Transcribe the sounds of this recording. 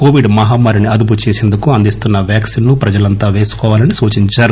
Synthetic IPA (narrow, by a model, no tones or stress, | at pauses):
ko̞ːʋiɖmɐɦaːmaːɾiniɐd̪up̬ut͡ʃeːse̞ːnd̪ukuɐnd̪ist̪unːɐʋjaːksinːupɾɐd͡ʒɐlɐnt̪aːʋe̞ːsu̥kɔːʋaːlɐnisuːt͡ʃiɲt͡ʃaːɾu